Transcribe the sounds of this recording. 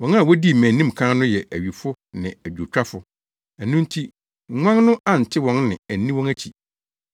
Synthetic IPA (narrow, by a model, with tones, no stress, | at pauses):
wɔ̃˨˦n˦a˦˨wɔ˦di˦˨mæ̃˨nːĩ˦m˨kʰã˦nʊ̃˦jɛ˨ʔæ˨ɥi˨fʊ˦ | nɪ̰̃˨æ˨d͡ʑᶣu˨t͡ɕᶣɾa˦fʊ˦ | æ˨nʊ̃˦n˦tʰi˦ | ŋ̩˨˦ŋʷã˦ŋnʊ̃˦ʔã˦˨n̩˨tʰɪ˦wɔ̃˨˦nnɪ̰̃˨æ˨nːĩ˦wɔ̃˦næ˦t͡ɕʰi˨